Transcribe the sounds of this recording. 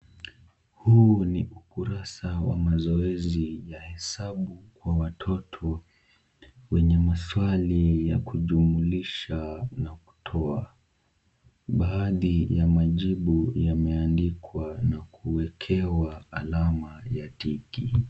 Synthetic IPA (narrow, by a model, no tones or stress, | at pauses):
huniʔukuɾasawa̰mazɔɛzijahɛsaɓukwawatʰɔtʰɔ | wɛɲɛmaswalijakuʄumuliʃanaku̥tʰɔa | ɓaːðijamaʄiɓujamɛandikwanakuwɛkʰɛwaːlamajatiki